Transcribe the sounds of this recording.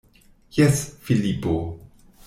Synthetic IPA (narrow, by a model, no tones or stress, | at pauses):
jɛsfilipo